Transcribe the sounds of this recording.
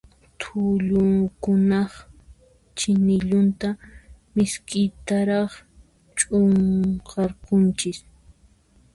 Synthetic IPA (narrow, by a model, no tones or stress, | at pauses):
t̪ʰʊʎʊŋkʊnɑχ | t͡ʃɪnɪʎʊnt̪amɪskɪjt̪aɾɑχ | t͡ʃʼʊŋqɑɾkʊnt͡ʃɪs